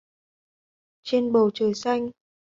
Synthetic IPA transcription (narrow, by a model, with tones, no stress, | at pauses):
t͡ɕe˧nɓo˨˩t͡ɕəː˧˩jsa˧jŋ̟